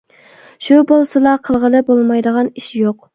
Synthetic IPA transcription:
ʃubolˠsɨlˠɑqʰəlˠʁəlˠɨbolˠmɑjd̪əʁɑniʃjoq̚

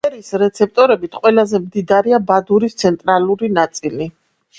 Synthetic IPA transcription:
ɛɾiːsɾɛt̪sʰɛp̚ʰt̪ʼɔɾɛbit̪ʰqʼwɛlazɛmd̪id̪aɾiabad̪uɾist̪sʰɛnt̪ʼɾalˠuɾinat̪sʼili

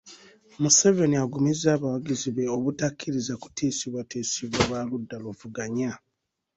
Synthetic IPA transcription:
muse̞ve̞niaɡumizaːβawaɡiziβe̞oβutakʰːiɾizaku̥tʰiːsiβwateːsiβwaβwaludːaluvuɡaɲa

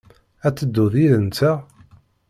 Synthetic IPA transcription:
æt͡sːəd̪ːuðiɾənt͡s̪æ

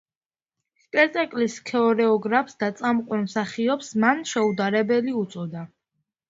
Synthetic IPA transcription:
spʼɛɾt̪ʼakʼliskʰɛɔɾɛɔɡɾapʰsd̪at̪sʼamqʼwɛnmsaχiɔpsmanʃɛud̪aɾɛbɛliut̪sʼɔd̪a

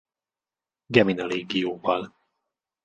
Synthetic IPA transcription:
ɡɛminɒleːɡijoːvɒl

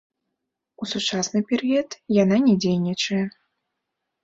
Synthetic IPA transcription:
usut͡ʂasnɨpʲɛɾɨɔt̪jananʲɛd͡zʲejnʲit͡ʂɐjɛ

